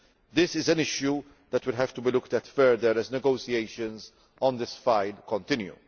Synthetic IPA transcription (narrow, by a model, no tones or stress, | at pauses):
d̪ɪsɪzɛ̃nɪʃju | d̪ɛtwɪlɦɛv̥t̪ʊbiːlʊkt̪ɛtfɛɾd̪əɾɛznɛɡoːsieɪʃə̃nz | ɔ̃nd̪ɪsfaɪlkɔ̃nt̪ɪ̃njṵ